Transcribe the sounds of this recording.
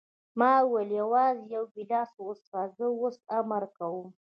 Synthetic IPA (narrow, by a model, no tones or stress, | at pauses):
mɑwəljawɑzjawbilɑsostɑzəwosamaɾkawum